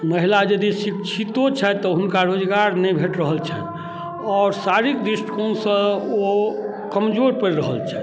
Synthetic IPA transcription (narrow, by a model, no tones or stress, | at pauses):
məɦilad͡ʒəd̪isikt͡ʃʰit̪ot͡ʃʰɛt̪ɔɦunkaɾod͡ʒɡaɾnɛjbʱeʈɾəɦəlt͡ʃʰɛ̰ | ɔːɾsaɾikd̪ɾiʃʈkonsə̃o | kəmd͡ʒoɾpəɾɾəɦəlt͡ʃʰɛ